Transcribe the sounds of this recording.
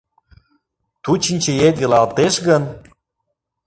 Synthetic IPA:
t̪ut͡ɕinʲt͡ɕə̆et̪̚ɡə̆lɑlt̪eʃɣən

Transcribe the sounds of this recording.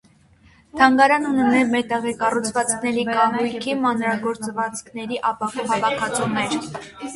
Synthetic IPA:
t̪ʰɑŋɡɑɾɑnunɛnɛmɛɾt̪ɛʁɛkɑrut͡sʰvɑt͡skʰnɛɾikɑɦujkʰimɑnɾɑɡɔɾt͡svɑt͡skʰnɛɾiʔɑpɑkhɑvɑkʰɑt͡sʰunɛɾ

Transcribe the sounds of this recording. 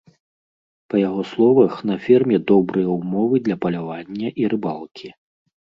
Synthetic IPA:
pɐjaɣɔslˠɔvɐxn̪ɐfʲɛrmʲɛd̪ɔbɾɨjɐwmɔvɨd̪lʲɐpɐlʲavanʲːɐʔiɾɨbalˠkʲʰi

